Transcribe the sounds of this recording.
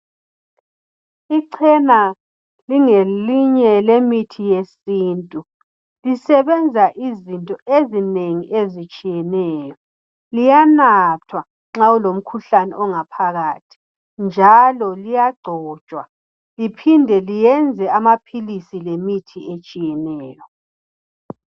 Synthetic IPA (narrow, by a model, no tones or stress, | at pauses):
iǀʰɛna | liŋeliɲɛlemitʰijesiːntʼu | lisɛβɛnd͡zʱaʔizintʼɔʔezineŋiʔezit͡ʃʼijɛnɛːjɔ | lijanatʰwa | ŋ͡ǁaulom̩kʰuɬanɛ̰ʔɔŋapʰaɣaːtʰi̥ | nd͡ʒʱalɔlijaɡ͡ǀʱɔ̥ːt͡ʃʼwa̰ | lipʰindʱɛlijɛnd͡zʱɛamapʰilisilemitʰiet͡ʃʼijɛnɛːjɔ